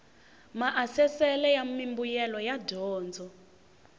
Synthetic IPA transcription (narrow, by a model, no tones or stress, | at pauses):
maʔasɛsɛlɛjamimbujɛlɔjadɔːnd͡zʱɔ